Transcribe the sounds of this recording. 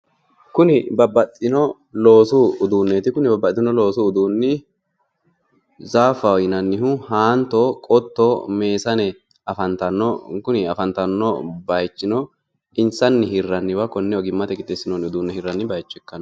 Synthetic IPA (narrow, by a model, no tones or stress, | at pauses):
kʊnɪbɐbɐt̪ʼːɪnɔ | loːsuʊd̪uːnːeːt̪ɪkʊnɪbɐbːɐt̪ʼːɪnɔlo̞ːsuʊd̪uːnːɪ | zaːfɐjɪnɐnːɪhʊhaːnt̪okʼɔt̪ːome̞ːsɐnɛ | ɐfɐnt̪ɐnɔkʊnɪɐfɐnt̪ɐnːɔbɐjt͡ʃːɪnɔ | ʔɪnsɐnːɪhɪrːɐnːɪwɐkɔnːɛɔɡɪmːɐt̪ɛkʼɪt̪ːesɪnonɪʊd̪uːnːɛhɪrːɐnːɪbɐjt͡ʃːɛkːɐn